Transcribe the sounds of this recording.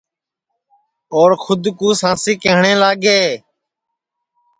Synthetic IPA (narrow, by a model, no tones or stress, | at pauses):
oːɾkʰʊd̪kuːsãːsiːkeːɦɳẽːlaːɡeː